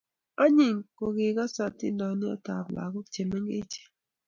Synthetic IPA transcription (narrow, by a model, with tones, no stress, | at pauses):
a˦ɲi˨ŋko˨ɡɪ˨ɡa˦sa˦tɪ˦ndɔ˨nɪ˦ɔ̰˦ta̰˨bla̰˨ɡɔ˦t͡ʃe˨me˦ŋɡḛ˦t͡ʃe̥˨